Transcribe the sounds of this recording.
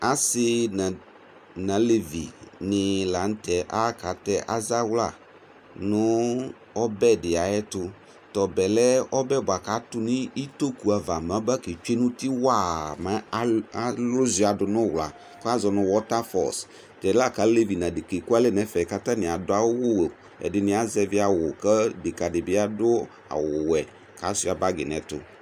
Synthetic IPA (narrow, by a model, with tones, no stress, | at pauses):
a˨sɪ˦na˨ | nã˨le˨vḭ˨nɪ˨la˨n̩˦tɛ˨ʔa˦ka˨˦tɛ˦ʔa˦za˦wla˦˨ | nʊ˦ | ɔ˦bɛ˦˨dɪ˨a˨ɛ˦tʊ˦ | tɔ˨bɛ˨lɛ˦ɔ˦bɛ˦˨ba˨ka˨˦tʊ˦nɪ˦i˦to˦ku˨a˨va˨m˨ã˨˦ba˦ke˨t͡ʃe˦nʊ̃˦tɪ˦wa˦˨ma˦lʊ˦zi˨˦a˨dʊ˨nʊ˦˨wla˨ | kɔ˦a˦zɔ˨nʊ̃˨wɔ˦ta˦fɔ̰˨s | tɛ˨da˦˨ka˨˦le˦vi˨nã˨dɪ˨ke˨ku˦a˦lɛ˦˨nɛ˦fɛ˨ka˦ta˦nɪ̃˨a˨dʊ˦a˦wʊ˦wo˨ | ɛ̰˨dɪ˨nɪ̃˦a˦zɛ˦vɪ˦a˨wʊ˨kə˦dɪ˨ka˨dɪ˨bɪ˦a˦dʊ˦ | a̰˨wʊ˨wɛ˨ | ka˨˦sʊ˦a˨ba˦ɡɪ˨nɛ̰˨tʊ̰˨